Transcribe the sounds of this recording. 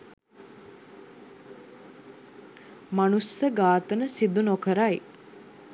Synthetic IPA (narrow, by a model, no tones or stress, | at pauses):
manusəɡaːt̪ənəsid̪unokəɾaj